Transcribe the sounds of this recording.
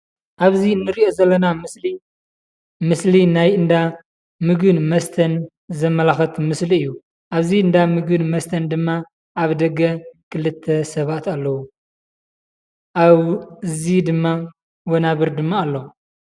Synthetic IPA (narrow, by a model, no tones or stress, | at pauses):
ʔaβziɨnːɨɾiʔo̞zɐlːɐnamɨsli | mɨslinajɨnd̪a | mɨɡɨnmɐst̪ʰɐn | zɐmːɐlaxɐt̪ʰmɨsliɨjːu | ʔaβziɨnd̪amɨɡɨnmɐst̪ʰɐnd̪ɨmːa | ʔaβd̪ɐɡːɐkʰɨlɨt̪ʰːɐsɐβat̪alːɐwu | ʔaβɨzid̪ɨmːa | wonaβɨɾd̪ɨmːaːlːo